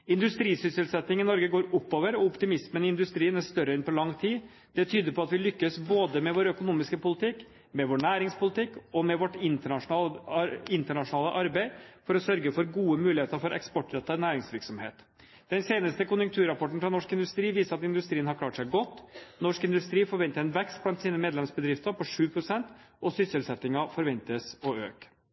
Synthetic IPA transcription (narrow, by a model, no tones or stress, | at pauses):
ɪnd̪ʉst̪ɾiːsʏsəlsɛt̪ːɪŋɪnɔɾɡəɡoːɾʊpːoːʋəɾɔɔpt̪ɪmɪsmənɪɪnd̪ʉst̪ɾiːənæʂt̪œɾəɛnpʰɔlɑŋt̪ʰiː | d̪̥ɛt̪ʰyːd̪əɾpʰɔɑt̪ʋɪlʏkːəsboːd̪əmɛʋoːɾœkʊnuːmɪskəpʊlɪt̪ʰɪkː | mɛʋoːɳæːɾɪŋspʊlɪt̪ɪkːɔmɛʋɔʈɪnt̪əɳɑʂʊnɑːlɪnt̪əɳɑʂʊnɑːləʔɑɾbæɪfɔɾɔsœɾɡəfɔɾɡuːəmʉːlɪheːt̪əɾfɔɾʔɛ̰kspɔʈɾɛt̪ːənæːɾɪŋsʋɪɾksɔmhḛːt̪ | d̪ɛnseːnəst̪əkʰʊnjʉŋkt̪ʰʉːɾɑpʰɔʈːn̩fɾɑnɔʂkɪnd̪ʉst̪ɾiːʋiːsəɾɑt̪ɪnd̪ʉst̪ɾiːənhɑɾkʰlɑːʈsæɪɡɔt̪ːnɔʂkɪnd̪ʉst̪ɾiːfɔɾʋɛnt̪əɾɛnʋɛkst̪blɑnt̪siːnəmeːd̪lɛmsbəd̪ɾɪft̪əɾpʰɔʂʉːpʰɾʊsɛnt̪ | ɔsʏsəlsɛt̪ːɪŋɑfɔɾʋɛnt̪əsɔøːk